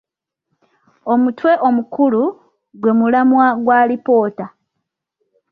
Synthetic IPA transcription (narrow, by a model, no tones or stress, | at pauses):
o̞mutwe̞ʔomukulu | ɡwe̞mulamwaɡwaːlipo̞ːta